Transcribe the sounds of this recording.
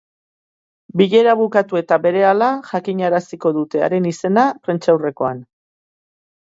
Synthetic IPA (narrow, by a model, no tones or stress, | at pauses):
biʎe̞ɾaβukat̪ue̞t̪aβe̞ɾe̞alaʝakiɲaɾasiko̞ðut̪e̞a̰ɾe̞nise̞napɾe̞nt͡ʃawre̞ko̞an